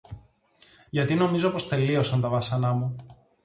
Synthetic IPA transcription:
ʝɐt̪ino̞mizo̞po̞st̪e̞lio̞sɐnt̪ɐvɐsɐnɐmu

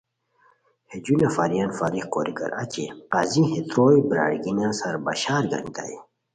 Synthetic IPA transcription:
hed͡ʑunafaːɾijanfaːɾixkoːɾikɐ̰ɾa̰t͡ɕeqazĩhet̪ɾoːjibɾa̰ːɽɡinãsɐɾbaɕaːɾɡɐ̰ŋt̪a̰i

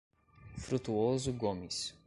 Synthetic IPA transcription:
fɾut̪uɔzuɡɔmis

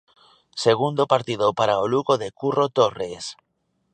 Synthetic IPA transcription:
seɣund̪opaɾt̪iðopaɾaoluɣoðekurot̪ores

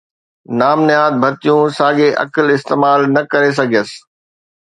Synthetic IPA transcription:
naːmnɪɦaːd̪̚bʱɐt̪ijũsaːɠeʔɐ̰kəlɪst̪eːmaːlnɐkɐɾes̬ɐɡʱijəsɪ̥̆

